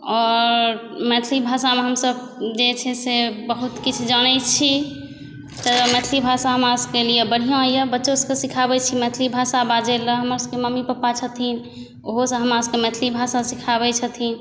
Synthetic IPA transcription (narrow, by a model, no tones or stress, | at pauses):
ɔːɾmɛt̪ʰlibʱasameɦəmsəb | d͡ʒet͡ʃʰɛsebəɦut̪kit͡ʃʰd͡ʒanɛt͡ʃʰi | t̪əmɛt̪ʰlibʱasaɦəmɾaskelijebəɽ̤ijãijəbətːʃoskesikʰabɛt͡ʃʰimɛt̪ʰlibʱasabad͡ʒeləɦəməɾskeməmipəpːat͡ʃʰət̪ʰin | oɦosə̃ɦəmɾaskemɛt̪ʰlibʱasasikʰaβɛt͡ʃʰət̪ʰin